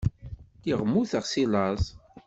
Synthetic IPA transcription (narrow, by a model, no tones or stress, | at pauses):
tiʁmːuθəʁsilɑzˤ